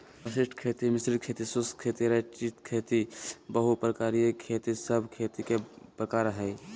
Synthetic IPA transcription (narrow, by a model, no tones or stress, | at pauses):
əsɪsʈʰkʰet̪imɪsɾikʰet̪isuskʰeːt̪iɾət͡ʃit̪kʰet̪ibəɦupɾəkaːɾijəkʰeːt̪isəbʱkʰet̪ikepɾəkaːɾɦə